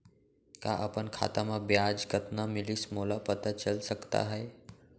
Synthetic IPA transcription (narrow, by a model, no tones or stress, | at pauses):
kaʔəpənkʰa̰ːt̪amãbjad͡ʒɡət̪namɪlismolapət̪at͡ʃəlsəkt̪a̰ɦəe